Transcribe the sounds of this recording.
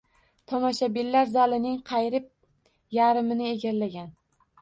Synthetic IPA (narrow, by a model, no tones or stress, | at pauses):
t̪ʰɒmɒʃabilːaɾzalɪnɪŋqʰɑjɾɪp̚ | jaɾɪmɪnɪeɡʲaɾlaɡʲan